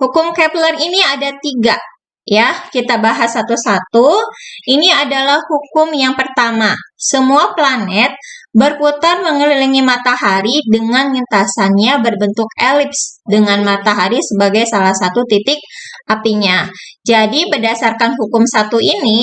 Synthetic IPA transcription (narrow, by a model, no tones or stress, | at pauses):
hukʊmkɛpləriniadat̪iɡa | jakit̪abaɦasat̪usat̪uiniadalahhukʊmjaŋpərt̪amasəmuaplanɛt̪̚bərput̪arməŋəliliŋimat̪aɦaɾidəŋanŋint̪asanɲabərbənt̪ʊkelɪpsdəŋanmat̪aɦaɾisəbaɡajsalahsat̪ut̪it̪ɪk̚ʔapiɲad͡ʒadibədasarkanɦukʊmsat̪uini